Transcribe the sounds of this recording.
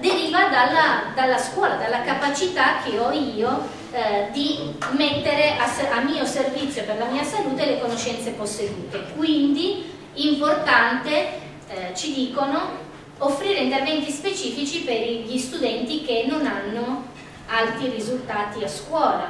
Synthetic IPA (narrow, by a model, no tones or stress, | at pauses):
d̪eɾiːvad̪alːad̪alːaskwɔːlad̪alːakapat͡ʃit̪ak̟ːeɔiːo | d̪imet̪ːeɾeʔasʔamːiːoservit̪sjoperlamiːasaluːt̪elekonoʃːɛnt̪seposːed̪uːt̪ekwind̪i | import̪ant̪e | t͡ʃid̪iːkono | ofːɾiːɾeint̪ervɛnt̪ispet͡ʃiːfit͡ʃipeɾʎist̪ud̪ɛnt̪ik̟enːonanːo | alt̪ɾirizult̪aːt̪iaskwɔːla